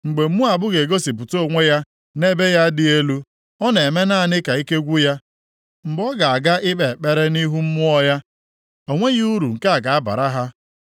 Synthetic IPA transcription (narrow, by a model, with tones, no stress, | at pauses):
ŋ͡m̩˨ɡ͡be˨m̩˦mu˦a˨bʊ˦ɣe˨ɡo˦si˨pʊ˨to˦o˨ŋʷe˦ja˦ | ne˦be˦ja˦dɪ˨e˦lu˦ | ɔ˦ne˨me˦na˦˨nɪ˦ka˨i˦ke˦ɡʷu˦ja˦ | ŋ͡m̩˨ɡ͡bɔ˦ɡa˨a˨ɡa˦ʔɪ˦ɓe˨k͡pe˦ɾe˦ni˦ɦu˦m̩˦mʊ˦ɔ˦ja˦ | o˨ŋʷe˦ɣi˦u˦ɾu˨ŋ̩˨ka˦a˨ɡa˨a˦ba̰˨ɾa˦ɦa˦